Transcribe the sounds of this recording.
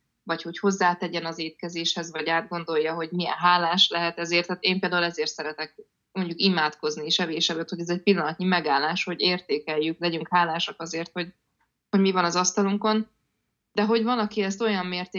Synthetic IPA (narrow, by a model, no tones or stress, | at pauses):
vɒcho̞cho̞zːaːt̪ɛɟɛnɒzeːt̪kɛzeːʃhɛzvɒɟaːd̪̚ɡo̞nd̪o̞jːɒɦo̞ɟmiɛ̰nɦaːlaːʃlɛɦɛt̪ɛzeːrt̪haːt̪eːmpeːld̪aːulɛzeːrt̪sɛɾɛt̪ɛk̚ | mo̞ɲɟukimaːt̪ko̞znieːʃɛveːʃɛbøt̪hoɟɛzɛc̚pilːɒnɒt̪ɲimɛɡaːlːaːʃho̞ɟeːrt̪eːkɛjːyklɛɟyŋkhaːlaːʃɒkɒzeːrt̪ho̞ɟ | ho̞ɟmivɒnɒzɒst̪ɒluŋko̞n | d̪̥ɛɦo̞ɟvɒlɒkiɛst̪o̞jɒmːeːrt̪eː